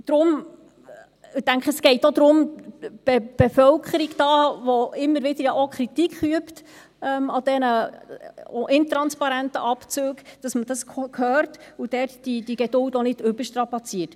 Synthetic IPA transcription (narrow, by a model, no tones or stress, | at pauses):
d̥ɾʊm | ɪtæŋkχəəsɡ̥ɛɪtod̪ɾʊmb̥eb̥efœlkχəɾiɡd̥ɑːʋoɪmːəɾʋɪd̥əɾjɑʔokʰχɾitikʰχyəpt | ɛmɑd̥ɛnə | oʔɪntɾɑnspɑɾæntə̰ʔɑpt͡søːkd̥ɑsməd̥ɑskhœːrtud̥ɛrtd̥id̥iɡ̥ɛdʊltonɪd̥ʏb̥əʃtɾɑpɑt͡siət